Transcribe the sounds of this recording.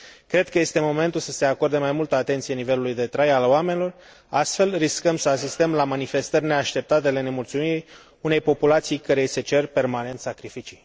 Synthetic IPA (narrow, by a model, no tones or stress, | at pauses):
kɾe̞d̪̚kəje̞st̪e̞mo̞me̞nt̪ulsəse̞ako̞rd̪emajmult̪əat̪ent̪sijenive̞lulujd̪e̞t̪ɾajalwamenilo̞r | ast̪fe̞lriskəmsəas̬ist̪əmlamanife̞st̪ərʲne̞aʃt̪e̞p̚t̪at̪ele̞ne̞mult̪sumiɾi | une̞jpo̞pulat̪sijkəɾese̞t͡ʃe̞rpe̞rmane̞nt̪sakɾifit͡ʃij